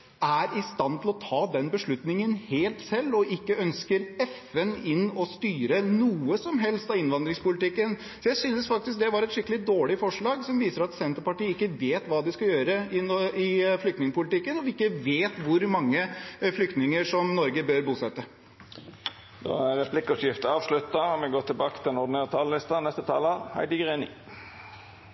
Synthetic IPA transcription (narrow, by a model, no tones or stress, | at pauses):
æɾɪst̪ɑnt̪ʰɪlɔt̪ʰɑːd̪ɛnbəʂɭʉt̪nɪŋənheːlt̪sɛlːɔʔɪkːəœnskəɾɛfɛnɪnːɔst̪yːɾənuːəsɔmɦɛlst̪ɑɪnʋɑnd̪ɾɪŋspʊlɪt̪ɪkːən | sɔjæɪsynəsfɑk̚t̪ɪsk̚d̪ɛʋɑɾɛt̪ʂɪkːəlɪd̪oːɭɪfɔʂɭɑːɡsɔmʋiːsəɾɑt̪sɛnt̪əɾpɑʈiːəɪkːəʋeːt̪ʋɑːd̪ɪskɑjøːɾəɪnɪflʏkt̪nɪŋəpʊlɪt̪ɪkːənɔʋɪkːəʋeːt̪ʋʊɾmɑŋːəflʏkt̪nɪŋəʂɔmnɔɾɡəbøɾbuːsɛt̪ːə | d̪o̰ːæɾɾɛpʰlɪkːɔpjɪft̪əɑːʋʂlʉt̪ːɑɔmɛɡoːt̪ʰɪlbɑːkə̥t̪ʰɪlɛnɔɖ̪neːʁt̪ʰɑːləlɪst̪ɑnɛst̪ət̪ʰɑ̰ːləhæ̰ɪd̪əɡʁeːnɪ̰